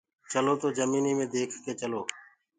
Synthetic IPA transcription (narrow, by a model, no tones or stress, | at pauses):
t͡ʃəloːt̪oːzəmiːniːmẽːd̪eːkʰkeːt͡ʃəloː